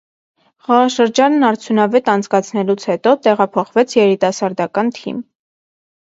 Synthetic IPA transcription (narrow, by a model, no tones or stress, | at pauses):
χɑʁɑʃəɾd͡ʒɑnːɑɾt͡sʰjunɑvɛt̪ɑnt͡sʰkɑt͡sʰnɛlut͡sʰhɛt̪ɔt̪ɛʁɑpʰɔχvɛt͡sʰjɛɾit̪ɑsɑɾd̪ɑkɑnt̪ʰḭm